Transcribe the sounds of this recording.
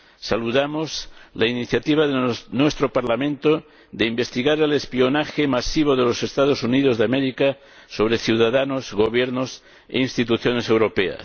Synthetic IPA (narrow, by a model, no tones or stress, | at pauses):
saluðamozlainiθjat̪iβ̞aðenwest̪ɾopaɾlamẽnt̪o | ðeimbe̞st̪iɣaɾelespionaxemasiβ̞oðe̞losest̪að̞osuniðozðeameɾika | soβ̞ɾeθjuðaðanozɣo̞β̞jeɾnos | ḛinst̪it̪uθjonese̞wɾo̞pea̰